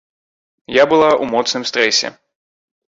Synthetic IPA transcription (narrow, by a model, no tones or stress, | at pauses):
jabɨlˠaʔumɔt̪snɨmst̪ɾɛsʲɛ̰